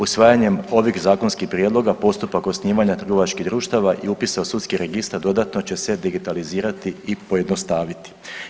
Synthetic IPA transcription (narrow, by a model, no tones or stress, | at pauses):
usʋaːjaɲe̞mo̞ʋixzaːko̞nskixpɾjed̪lˠo̞ɡapo̞st̪upako̞sniːʋaɲat̪r̩ɡo̞ʋat͡ʃkiɦd̪ɾuːʃt̪aʋaʔiupiseosut̪skiɾe̞ɡist̪aɾd̪o̞d̪at̪no̞t͡ɕe̞se̞d̪iɡit̪aliziːɾat̪iːpo̞je̞d̪no̞st̪aːʋit̪i̥